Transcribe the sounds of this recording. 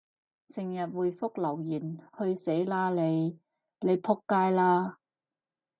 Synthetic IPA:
sɪ˨˩ŋjɐ˨t̚wuː˨˩jfʊ˥k̚lɐ˨˩wjiː˨˩nhɵ˧ɥse˨˥jlaː˧le˨˧j | le˨˧jpʰʊ˧˥kːaː˧jlaː˧

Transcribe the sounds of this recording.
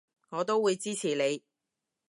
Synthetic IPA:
ŋɔː˨˧t̪o˥wwuː˨˧jt͡siː˥t͡sʰiː˨˩le˨˧j

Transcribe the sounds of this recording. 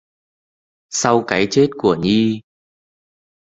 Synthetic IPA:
sa˧wkaː˨˦jt͡ɕe˦˥t̚ku˧˩əɲi˧

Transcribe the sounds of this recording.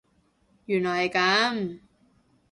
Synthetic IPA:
jyː˨˩nlɔː˨˩jkɐ˨˥m

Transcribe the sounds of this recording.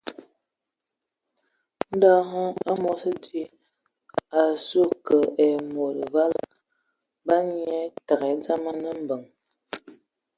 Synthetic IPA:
n̩˦da˦ɦə˦a˦mo˨sə˦ti˦ | a˨su˦˨kə˨ʔe˨mo˨ɾə˨va˦la̰˨ | ba˦ɲi˦ɛ˦ta˨ɣɛ˨˦d͡za˦ma˦nə˦m̩˨bə˨ŋ

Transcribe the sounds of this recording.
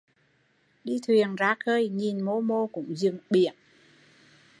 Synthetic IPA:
ɗi˧t̪ʰwi˨˩ənzaː˨˦˥xəː˧jɲi˨˩nmo˧mo˧kʊ̰˧˥ŋ͡mzɨ˨˩ŋɓi˧˩˨ən

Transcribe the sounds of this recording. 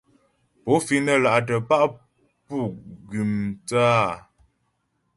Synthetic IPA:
po˨˦fi˦nə˦˨la˨ʔt̬ə˨pa˦ʔ | pu˦˨ɡi˨mt͡sa˦˨

